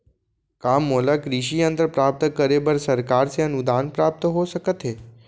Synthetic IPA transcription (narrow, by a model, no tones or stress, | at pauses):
kamːolakɾiɕiənt̪əɾpɾap̚t̪əkəɾebəɾsəɾkaɾseənud̪anpɾap̚t̪əɦoʃəkət̪ɦe